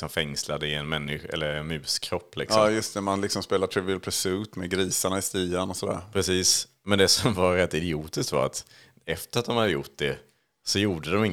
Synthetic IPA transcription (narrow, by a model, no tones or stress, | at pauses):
sɔmfɛŋslad̪əɪɛnmɛnːɪɧɛ̰lːəɾɛnmʉ̟ːskʰɾɔpːlɪ̰ksɑɔːmjɵst̪ɛmanlɪksɔmspeːlat̪ʰɾɪvɪlpʰɾɛsʉt̪mɛɡɾiːsaɳaɪst̪iːanɔsɔd̪æ̰ːɾpʰɾɛsiːs | mɛnd̪ɛsɔmvaɾɾɛt̪ːɪd̪ɪuːt̪ɪskt̪va̰ɾa̰t̪ | ɛft̪əɾat̪d̪ɔmhad̪ːəjʊʈ̚ːd̪ɛ | sɔjuːɖəd̪ɔmɪŋː